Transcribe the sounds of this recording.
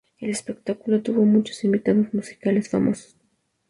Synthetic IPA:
ele̞spek̚t̪akulo̞t̪uβo̞mũnt͡ʃo̥simbit̪aðozmusi̥kale̞sfamʔo̞so̥s

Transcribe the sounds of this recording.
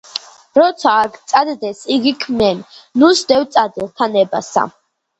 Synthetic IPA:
ɾɔt̪sʰaːkʰt̪sʼad̪d̪ɛsiɡikʰmɛnnusd̪ɛwt̪sʼad̪ilt̪ʰanɛbasa̰

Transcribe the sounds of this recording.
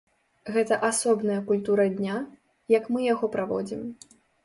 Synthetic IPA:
ɣɛt̪ɐʔasɔbnɐjɐkulʲt̪uɾɐd̪ʲnʲa | jɐkmɨjaɣɔpɾavɔ̰d͡zʲim

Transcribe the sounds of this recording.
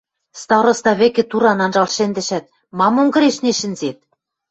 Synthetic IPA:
st̪ɑɾŏst̪ɑβĕkĕt̪uɾɑnɑnʒɑlʃĕnd̪ɘ̆ʃæt̪̚ | mɑmoŋɡɤ̆ɾeʃneʃɘ̆nzet̪̚

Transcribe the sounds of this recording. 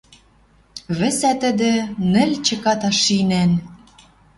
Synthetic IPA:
βɘ̆sæt̪ə̆d̪ɘ̆nɘ̆lʲt͡ɕə̆kɑt̪ɑʃinæn

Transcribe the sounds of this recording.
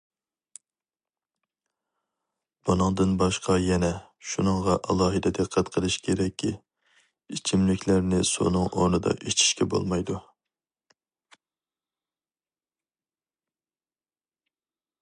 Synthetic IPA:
b̥unɨŋd̪ɨnbɑʃqʰɑjɛnɛ | ʃunɨŋʁɑʔɑlˠɑːɦɨd̪ɨd̪ɨqʰːæt̪qʰəlˠɨʃkʲʰeɾɛkʲʰːi | it͡ʃʰimlɪkʲʰlæɾnɪso̰nɨŋo̰ɾnɨd̪ɑ̰ʔet͡ʃʰi̥ʃkʲɛbo̰lˠmɑjd̪u

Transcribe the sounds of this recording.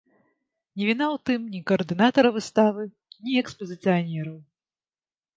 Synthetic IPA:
nʲivʲinawt̪ɨmnʲikɐɐrd̪ɨnat̪ɐɾɐvɨst̪avɨ | nʲiɛkspɐzʲɨt̪sɨjanʲɛɾɐw

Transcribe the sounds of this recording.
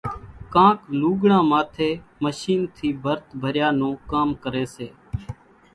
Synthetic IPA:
kãːkluːɡɳãːmaːt̪ʰeːməʃiːnt̪ʰiːbʱəɾt̪bʱəɾjaːnõːkaːmkəɾeːseː

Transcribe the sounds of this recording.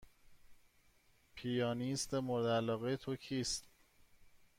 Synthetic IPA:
pʰijɒːnist̪emoɾd̪ælɒːɣejet̪ʰocʰiːst̪

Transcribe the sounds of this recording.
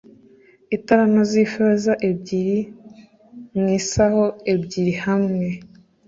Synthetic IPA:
itaɾanozifezaʔebɟiɾi | mŋiːsaho̞ebɟiɾihamŋe̞

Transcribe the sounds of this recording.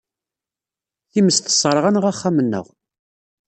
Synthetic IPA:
θiməst̪ə̥sˤːɾˤʁanəʁæχːæmənːə̰ʁ

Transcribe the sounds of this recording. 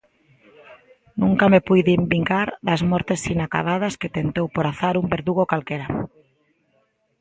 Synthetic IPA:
nũŋkamepujðimbiŋɡaɾðazmɔɾt̪esinaka̰ðað̞ɐsket̪ent̪owpoɾaθaɾumbeɾðuɣokalkeɾa

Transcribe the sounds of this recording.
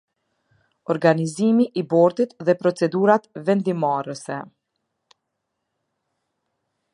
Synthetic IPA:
ɔɾɡanizimiʔibɔɾt̪it̪ðɛpɾɔt͡sɛd̪uɾat̪vɛnd̪imarəsɛ

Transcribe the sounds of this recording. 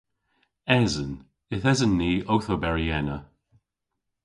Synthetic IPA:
ɛzən | ɪθɛzənːiːʔowθobɛɹiɛnə

